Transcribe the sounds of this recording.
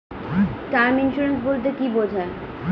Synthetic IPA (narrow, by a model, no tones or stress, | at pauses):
kaɾminʃuɾensbolt̪̬ekibod͡ʑʱae